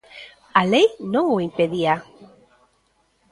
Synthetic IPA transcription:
alejnõŋʊimpeðia

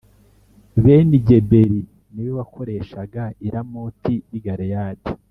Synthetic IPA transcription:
βeniɟe̞be̞ɾi | nijoβakʰo̞ɾe̞ːʃaɡaiɾamuːtʰijiɡaɾejaːdi

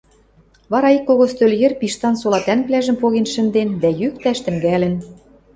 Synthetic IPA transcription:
βɑɾɑikːoɣost̪øljɘ̆rpiʃt̪ɑnsolɑt̪ænplæʒə̆mpoɣenʃɘ̆nd̪end̪æjyk̚t̪æʃt̪ɘ̆ŋɡælɘ̆n

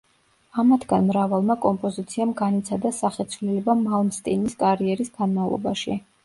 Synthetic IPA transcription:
amat̪ʰɡ̥anmɾavalˠmakʼɔmpʼɔzit̪sʰiamɡanit̪sʰad̪asaχɛt̪sʰvlilɛbamalˠmst̪ʼiniskʼaɾiɛɾisɡ̥anmavlˠɔ̰ba̰ʃḭ

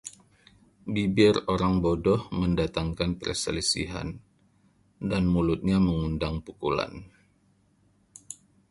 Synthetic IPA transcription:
bibɪroɾaŋbodɔhməndat̪aŋkanpərsə̰lisḭɦa̰n | danmulut̪̚ɲaməŋundaŋpukula̰n

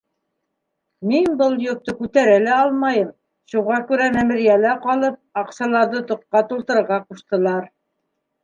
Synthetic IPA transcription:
minbɤlˠjŏp̚t̪ɤkʉt̪æɾælɘɑlˠmɑjɤm | ʃuʁɑkʉɾæmæmɘ̆ɾijælæqɑlˠɤp̚ɑqsɑlˠɑɾðɤt̪ŏqqːɑt̪ulˠt̪ɤ̆ɾɤ̆ɾʁɑquʃt̪ɤ̆lˠɑɾ

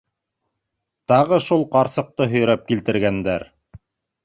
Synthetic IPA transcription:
t̪ɑʁɤʃulˠqɑɾsɤ̆q̚t̪ɤɦɵ̆jɾæp̚kilt̪ɘ̆ɾɡænd̪æɾ

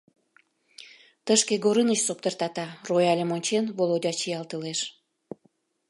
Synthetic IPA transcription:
t̪əʃkeɡoɾənət͡ɕsop̚t̪ərt̪ɑt̪ɑrojɑlʲəmonʲt͡ɕenβolod̪ʲɑt͡ɕiɑlt̪əleʃ

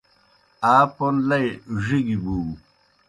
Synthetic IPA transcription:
aːponlɐjʐiɡibu

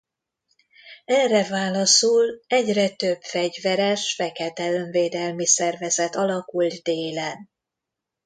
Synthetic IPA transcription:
ɛrːɛvaːlɒsulɛɟrɛt̪øb̥fɛɟvɛɾɛʃfɛkɛt̪ɛløɱveːd̪ɛlmisɛrvɛzɛt̪ɒlɒkuld̪d̪eːlɛn

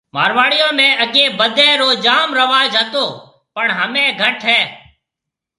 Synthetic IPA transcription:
ma̰ːɾʋaːɽɪjõːmẽːʔəɡeːbəd̪ʱɛ̃ːɾoːd͡ʒaːmɾəʋaːd͡ʒɦət̪oː | pəɳɦəmẽːɡʱəʈʰɦɛː

